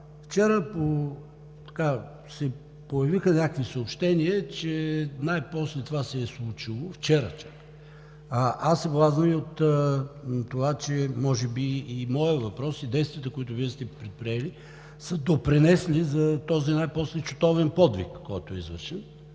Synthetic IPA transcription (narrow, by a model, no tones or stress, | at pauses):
ft͡ʃɛɾəpo | t̪ɐ̥ka | sɛ | pojɐvixənʲakvisəopʃt̪ɛniɛt͡ʃɛnajpɔslɛt̪ovasɛːslˠut͡ʃilˠʊft͡ʃɛɾə̰t͡ʃak | aʔasːɛblˠazəmiot̪ | t̪ovat͡ʃɛmɔʒɛbiːmɔəvɐpɾɔsid̪ɛjst̪vʲijət̪əkoit̪ʊviɛst̪ɛpɾɛt̪̚pɾiɛli | səd̪opɾɛnɛsnizɐt̪ɔzinajpɔslɛt͡ʃʊ̥t̪ɔvɛnpɔd̪vḭkːɔjt̪oɛizvəɾʃɛn